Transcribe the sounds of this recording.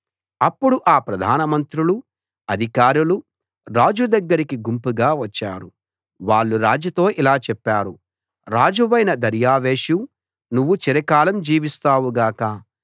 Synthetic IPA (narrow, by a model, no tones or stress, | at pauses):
ɐpːuɽuʔaːpɾɐd̪ʱaːnɐmɐnt̪ɾulu | ɐd̪ʱikaːɾulu | ɾaːd͡ʒud̪ɐɡːɐɾikiɡumpuɡaːʋɐt͡ʃːa̰ːɾu | ʋaːɭːuɾaːd͡ʒɐt̪o̞ːʔilaːt͡ʃɛpːaːɾu | ɾaːd͡ʒuʋɐjnɐd̪ɐɾjaːʋeːʃu | nuʋːut͡ʃiɾɐkaːlɐmd͡ʒiːʋist̪aːʋuɡaːkɐ